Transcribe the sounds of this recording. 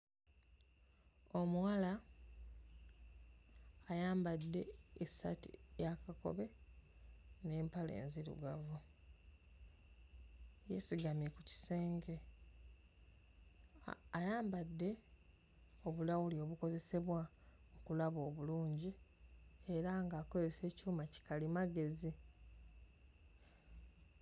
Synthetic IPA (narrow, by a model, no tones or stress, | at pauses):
o̞muwala | jaːmbadːe̞ːsa̰tḭjakako̞̰βe̞ | neːmpalḛːnziɾṵɡavu | jḛsiɡamjekuci̥se̞ːŋɡe̞ | ajaːmbadːe̞ | o̞βulawulio̞βuko̞ze̞se̞βwa | okulaβo̞ːβuluːɲɟi | e̞ɾaŋɡaːko̞ze̞se̞ːcuːmaci̥kalimaɡe̞zi